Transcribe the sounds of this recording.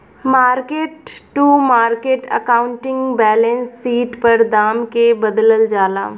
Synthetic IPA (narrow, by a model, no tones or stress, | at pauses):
maːɾkeːʈːumaːɾkeːʈə̰kaːʊ̃ɳʈɪ̃ŋɡbɛːlẽnsːiːʈpɐɾd̪aːmkebəd̪ləld͡ʒaːla̰ː